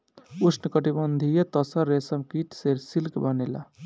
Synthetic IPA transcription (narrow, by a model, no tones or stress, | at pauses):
ut͡ʃʰnəkəʈibənd̪ʱijet̪əsəɾːesəmkiʈseɾsilkbənela̰